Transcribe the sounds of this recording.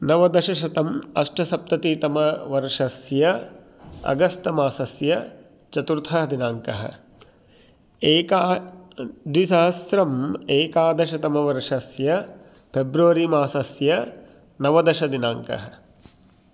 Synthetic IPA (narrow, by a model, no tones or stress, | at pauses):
nɐʋɐd̪ɐʃɐʃɐt̪ɐmɐʂʈɐsɐp̚t̪ɐt̪iːt̪ɐmɐʋɐɾʂɐsjɐ | ɐ̰ɡɐst̪ɐmaːsɐsjɐ | t͡ʃɐt̪uɾt̪ʰɐɦɐd̪inaːŋkɐɦɐ̰̆ | eːkaː | d̪isɐɦɐsɾɐmeːkaːd̪ɐʃɐt̪ɐmɐʋɐɾʂɐsjɐ | pʰebɾuʋɐɾimaːsɐsjɐ | nɐʋɐd̪ɐʃɐd̪inaːŋkɐ̰ɦɐ